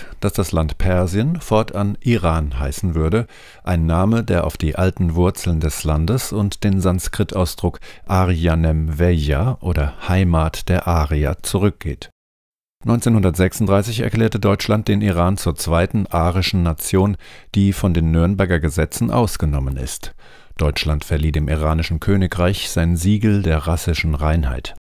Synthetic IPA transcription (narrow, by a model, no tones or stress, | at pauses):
d̥asd̥aslantpʰɛɐziənfɔɐtʰʔanʔiʁaːnɦaɪsn̩vʏɐdə | ʔaɪnːaːmədeːɐʔaʊfd̥iːʔaltn̩vʊɐt͡sl̩ndɛslandəsʊntd̥eːnzanskʁ̥ɪtʰʔaʊsd̥ʁʊkʔaʁianɛmvɛjaʔoːdɐhaɪmaːtd̥eːɐʔaːʁia̰t͡suʁʏk̚ɡ̥ḛːt | nɔʏnt͡seːnhʊndɐtz̥ɛksʊntd̥ʁaɪsɪçɛ̰ɐkl̥ɛːɐtədɔʏt͡ʃlant̚d̥eːniʁ̞aːnt͡suːɐt͡sv̥aɪtn̩ʔaːʁɪʃn̩nat͡sjoːnd̥iːfɔndeːnːʏɐnbɛɐɡɐɡəzɛt͡sn̩ʔa̰ʊsɡ̥ənɔmənɪ̰st | d̥ɔʏt͡ʃlantfɛɐliːdeːmʔḭʁaːnɪʃn̩kʰøːnɪkʁaɪçz̥aɪnnziːɡl̩deːɐʁasɪʃn̩ʁaɪnɦa̰ɪt